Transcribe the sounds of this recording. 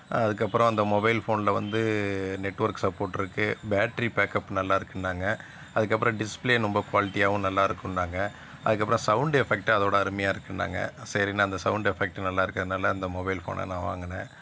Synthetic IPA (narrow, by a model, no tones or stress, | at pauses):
ɐðɯk̬ːɐpːɯɾɔ̃ɐnd̪ɐmɔbɐɪlfoːnlɐʋɐnd̪ɯnɛʈːʋɐɾksɐpːoːɾʈːɪɾɯkːɯbaːʈːɐɾipaːkɐpːnɐlːaːɪɾɯkːɪɳɖaːŋɡɐ | ɐðɯkːɐpːɯɾɐ̃ɖɪspleːnʊmbɐkʋaːlɪʈːijaːʋʊ̃nɐlːaːɪɾɯkːʊɳɖaːŋɡɐ | ʔɐðɯk̬ːɐpːɾɐ̃sɐʊɳɖɛfɛk̚ʈɐðoːɽɐɐɾɯmɐjaːɪɾɯkːɪɳɖa̰ːŋɡɐ̰sɛɾinaːɐnd̪ɐsɐʊɳɖɛfɛk̚ʈnɐlːaːɪɾɯkːɾɐðɯnaːlɐːnd̪ɐmɔbɐɪlfo̰ːnɐ̰nãːʋa̰ːŋɡɐnːɛ̰̃